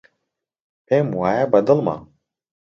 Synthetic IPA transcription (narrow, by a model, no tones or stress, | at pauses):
pemwaːjabɐd̪ɨlˠma̰